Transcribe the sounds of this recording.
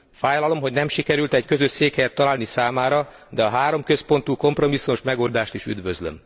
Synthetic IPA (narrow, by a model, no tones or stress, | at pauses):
faːjlɒlo̞mɦoɟnɛmʃikɛɾylt̪ɛɟkø̞zøʃseːkhɛjɛt̪ːɒlaːlnisaːmaːɾɒ | d̪ɛɒɦaːɾo̞mkø̞spo̞nt̪uːko̞mpro̞misːumoʃmɛɡo̞ld̪aːʃt̪iʃy̰d̪ʋøzlø̰m